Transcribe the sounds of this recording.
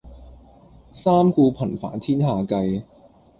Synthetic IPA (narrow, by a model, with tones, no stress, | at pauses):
saː˥mkuː˧pʰɐ˨˩nfa̰ː˨˥nt̪ʰiː˥nhaː˨kɐ˧j